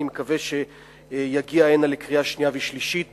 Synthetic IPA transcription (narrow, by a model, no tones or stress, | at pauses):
imekaveʃe̞ | jaɡiaenalekʁiaʃniaviʃliʃit̚